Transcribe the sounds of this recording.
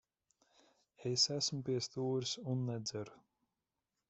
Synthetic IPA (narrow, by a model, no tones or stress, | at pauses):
esæsmʊpiɛst̪uːɾsunːɛd̪zæɾu